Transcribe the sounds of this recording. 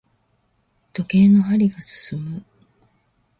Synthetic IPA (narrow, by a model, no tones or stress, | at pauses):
t̪o̞ke̞ːno̞ɦaɾʲiɡasɨ̥sɨmɯ